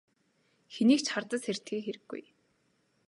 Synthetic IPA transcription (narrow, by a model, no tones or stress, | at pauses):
xeniːkt͡ɕχart̪ə̆ser̥t̪xiːxeɾɘ̆ɡ̥ːṵj